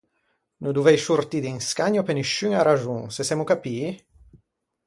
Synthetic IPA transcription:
nud̪uvɛjsurt̪iːd̪iŋskaɲːopeniʃːyŋaɾaʒuŋsesɛmukapiː

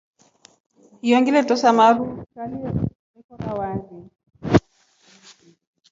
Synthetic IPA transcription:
hijɔŋɡilɛtɔsamaɾufukaliɔ | ikɔkawazɛ

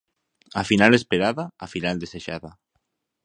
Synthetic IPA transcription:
afinalespeɾaðaːfinald̪eseʃaða

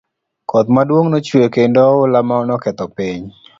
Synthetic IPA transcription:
kʰɔt̪madwoŋnot͡ʃwekendɔʊlamaɔnɔkɛt̪ɔpiɲ

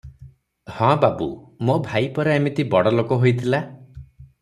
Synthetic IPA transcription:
hɔ̃babṵmobʱajpɔɾeamit̪ibɔɽɔlokɔɦojt̪ʰila

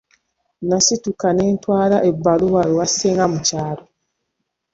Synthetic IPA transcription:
nasitukane̞ːntwaːlaʔebːaluwaɾowaseːŋɡamucaːlo

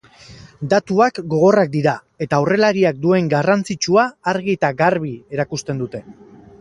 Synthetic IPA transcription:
d̪at̪uakɡo̞ɣ̞o̞rak̚d̪iɾa | e̞t̪aːwre̞laɾiak̚d̪ue̞ŋɡarant͡sit͡ʃuaːɾɣiet̪aɣaɾβ̞ie̞ɾakust̪e̞nd̪ut̪e̞

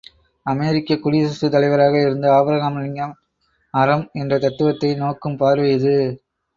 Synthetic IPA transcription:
ɐmeːɾɪkːɐkːʊɽisɐsɯt̪ːɐlɐɪʋɐɾaːɣɐɪɾɯnd̪ɯaːbɾɐɣaːmlɪŋɡɐm | ɐɾɐmɛndrɐt̪ɐt̪ːɯʋɐt̪ːɐɪnoːkːɯmpaːɾʋɐjðɯ

